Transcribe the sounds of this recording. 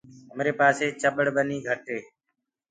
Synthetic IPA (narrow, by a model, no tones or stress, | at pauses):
əmɾeːpaːseːt͡ʃəɓəɽbəniːɡʱəʈeː